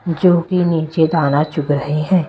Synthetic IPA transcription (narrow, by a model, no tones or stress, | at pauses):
d͡ʒoːkiniːt͡ʃed̪aːnat͡ʃʊkɾəɦeɦɛ̃ː